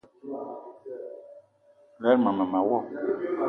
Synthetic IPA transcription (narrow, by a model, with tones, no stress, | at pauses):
lɛ˦ɾmã˨mã˨ma˨wɔ˦˨